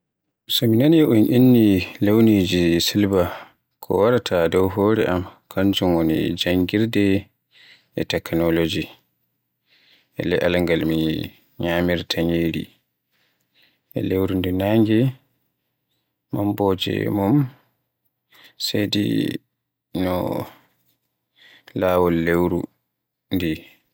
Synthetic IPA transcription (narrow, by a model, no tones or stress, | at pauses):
sɔminanɛʔunʔinːilewnid͡ʒisilba | kʰɔ̰waɾatʰadɔwɦoːɾɛʔamkʰaɲd͡ʒumwonḭd͡ʒaŋɡiɾdɛ | ʔɛtɛknɔlod͡ʒi | ʔɛ̰lɛʔalaŋɡalmi | ɲaːmiɾtʰaɲeːɾḭ | ʔɛ̰lewɾundinaːŋɡɛ | mambɔːd͡ʒɛ̰mum | sedḭ | nɔ̰ | laːwɔlːewɾṵ | ndi